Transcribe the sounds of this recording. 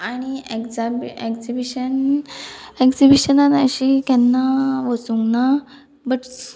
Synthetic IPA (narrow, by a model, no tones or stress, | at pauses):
aɽ̃iekd͡zabekd͡zibiɕən | ekd͡zibiɕənanəɕikɛnːaʋəsuŋɡna | bəʈ